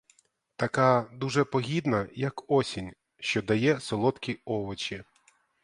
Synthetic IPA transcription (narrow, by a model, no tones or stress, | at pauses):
t̪ɐkɑd̪uʒɛpɔɦʲid̪nɐjɐkɔsʲinʲ | ʃt͡ʃɔd̪ɐjɛsɔlˠɔt̪kʲiɔʋɔt͡ʃi